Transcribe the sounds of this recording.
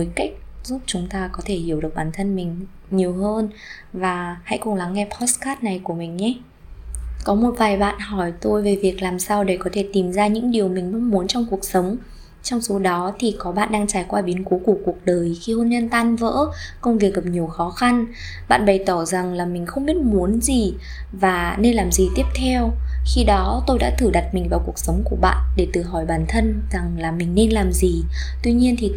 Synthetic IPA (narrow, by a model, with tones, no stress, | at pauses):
vəː˨˦jka˦˥jk̟̚zu˦˥p̚t͡ɕʊ˨˦ŋ͡mt̪aː˧kɔ˨˦t̪ʰe˧˩hi˧˩əwɗɨ˨˩k̚ɓaː˧˩nt̪ʰə˧nmï˨˩ŋ̟ | ɲi˨˩əwɦəː˧n | vaː˨˩ha̰˧˥jkʊ˨˩ŋ͡mla˨˦ŋːɛ˧pʰɔ˦˥skaː˦˥t̚na˨˩jku˧˩əmï˨˩ŋ̟ɲɛ˨˦ | kɔ˨˦mo˨˩t̚vaː˨˩jɓa̰ː˧˨nhɔ˧˩jt̪o˧jve˨˩vi˨˩ək̚laː˨˩msaː˧wɗe˧˩kɔ˨˦t̪ʰe˧˩t̪i˨˩mzaː˧ɲɨ̰˧˥ŋɗi˨˩əwmï˨˩ŋ̟mə˧˥wŋ͡mmu˨˦ənt͡ɕɔ˧wŋ͡mku˨˩ək̚sə˨˦wŋ͡m | t͡ɕɔ˧wŋ͡mso˨˦ɗɔ˨˦t̪ʰi˨˩kɔ˨˦ɓa̰ː˧˨nɗaː˧ŋt͡ɕaː˧˩jkwaː˧ɓi˨˦ənku˨˦ku˧˩əku˨˩ək̚ɗəː˨˩jxi˧ho˧nɲə˧nt̪aː˧nvə̰ː˧˥kə˧wŋ͡mvi˨˩ək̚ɣə˨˩p̚ɲi˨˩əwxɔ˨˦xa˧n | ɓa̰ː˧˨nɓə˨˩jt̪ɔ˧˩za˨˩ŋlaː˨˩mï˨˩ŋ̟xə˧wŋ͡mɓi˦˥ət̚mu˨˦ənzi˨˩ | vaː˨˩ne˧nlaː˨˩mzi˨˩t̪i˦˥əp̚t̪ʰɛ˧wxi˧ɗɔ˨˦t̪o˧jɗa̰ː˧˥t̪ʰɨ˧˩ɗa˨˩t̚mï˨˩ŋ̟vaː˨˩wku˨˩ək̚sə˨˦wŋ͡mku˧˩əɓa̰ː˧˨nɗe˧˩t̪ɨ˧˩ɦɔ˧˩jɓaː˧˩nt̪ʰə˧nz̥a˨˩ŋlaː˨˩mï˨˩ŋ̟ne˧nlaː˨˩mzi˨˩ | t̪wi˧ɲi˧ənt̪ʰi˨˩